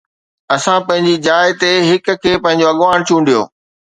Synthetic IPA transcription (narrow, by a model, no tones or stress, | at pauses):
ɐsãpɐ̃ɦɪ̃ɲd͡ʑid͡ʑaːɪt̪eɦɪk̆kʰeːpɐ̃ɦɪ̃ɲ̆d͡ʑoɐɠʋaːɽ̃t͡ɕʰũːɳɖijo̰ː